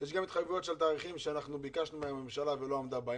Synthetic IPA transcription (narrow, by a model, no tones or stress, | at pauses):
jɛʃɡamit̪χajevujo̞t̪ʃelt̪aːʁiχimʃeanaχnubikaʃnumeame̞mʃalavelo̞amd̪aba